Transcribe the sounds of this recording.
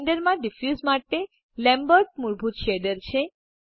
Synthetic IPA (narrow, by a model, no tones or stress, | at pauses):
nɖəɾmãɖɪfjuzmaʈːe | lɛ̃mbəɾʈ̚muɾbʱut̪ʃeɖəɾt͡ʃʰe